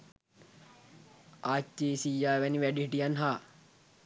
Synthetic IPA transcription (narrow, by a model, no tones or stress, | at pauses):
aːt͡ʃːeːsijːaːʋæniʋæɖiɦiʈijanɦaː